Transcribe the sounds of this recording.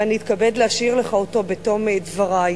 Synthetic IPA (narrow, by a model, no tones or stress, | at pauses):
aniːt̪kabedleaʃiʁleχaoto̞betomedvaʁa